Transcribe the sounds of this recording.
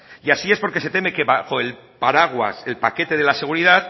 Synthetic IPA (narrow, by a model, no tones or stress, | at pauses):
iasie̞spo̞ɾke̞se̞t̪e̞me̞ke̞βaxo̞e̞l | paɾaɣ̞wa̰se̞lpake̞t̪e̞ð̞e̞lase̞ɣ̞uɾiðaθ